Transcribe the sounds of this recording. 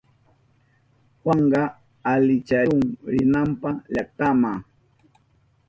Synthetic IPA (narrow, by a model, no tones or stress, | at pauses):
xɑɴɢɑ | alɪt͡ʃaʊŋɾɪnampaʎaχ̚t̪amaŋ